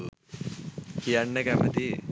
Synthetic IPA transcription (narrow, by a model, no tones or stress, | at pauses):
kijanːəkæmət̪i